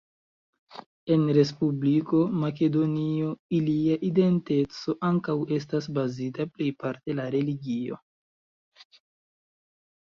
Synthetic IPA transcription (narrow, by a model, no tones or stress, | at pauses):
e̞nɾe̞spubliko̞mak̬e̞do̞nio̞iliaʔide̞nte̞t͡so̞ʔaŋkawe̞s̬tasbazitaple̞jpaɾte̞laɾe̞liɡio̞̰